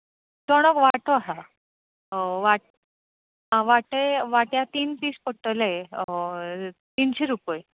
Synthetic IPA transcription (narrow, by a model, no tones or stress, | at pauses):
t̪ɔɽ̃ɔkʋaʈoaɦa | ʋa | ɦãʋaʈəjʋaʈjat̪iːnpiːspɔʈːəle | t̪inɕeɾupəj